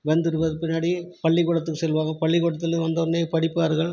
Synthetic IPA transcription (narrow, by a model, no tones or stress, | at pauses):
ʋɐnd̪ɪɾɯʋɐðɯpɪnːaːɽipɐɭːɪkɔɽɐt̪̬ːɯkːɯsɛlʋaːɣɐpɐɭːɪkɔɽɐt̪ːɪlɯʋɐnd̪ɐnːeːpɐɽɪpːaːɾɣɐɭ